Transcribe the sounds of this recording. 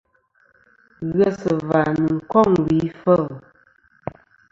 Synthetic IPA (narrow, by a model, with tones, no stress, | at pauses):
ɣɛ˦sə˨va˨nu˨kɔ˦˨ŋwi˨˦fə˦˨l